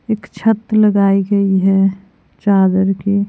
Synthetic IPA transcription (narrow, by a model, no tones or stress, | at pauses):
eːkt͡ʃʰət̪ləɡaːiɡɐiɦɛ | t͡ʃaːd̪əɾki